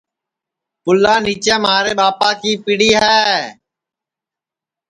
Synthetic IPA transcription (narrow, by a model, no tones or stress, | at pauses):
pʊlːaːniːt͡ʃẽːmaːɾeːɓaːpaːkiːpiɽiːɦɛː